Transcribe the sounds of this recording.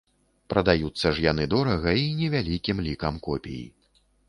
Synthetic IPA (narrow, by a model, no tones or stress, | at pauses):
pɾɐd̪ajut̪sːɐʐjanɨd̪ɔɾɐɣɐinʲɛvʲalʲikʲimlʲikɐmkɔpʲḛjḭ